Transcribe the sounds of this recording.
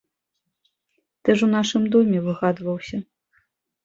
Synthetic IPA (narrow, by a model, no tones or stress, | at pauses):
t̪ɛʂun̪aʂɨmd̪ɔmʲɛvɨɣad̪vɐwsʲɐ